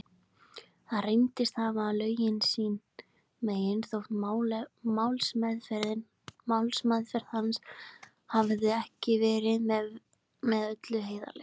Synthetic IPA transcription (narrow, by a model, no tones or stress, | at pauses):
θaðrejmt̪ɪst̪havaːlœːɥjɪnsiːn | meːjɪnθowht̪ | mawlsmɛðfɛɾðɪn | mawlsmaðfɛɾð̥hans | havðɪɛhcɪvɛːɾɪðmɛ | mɛðœt̪lʏɦeːjða̰lɛ̰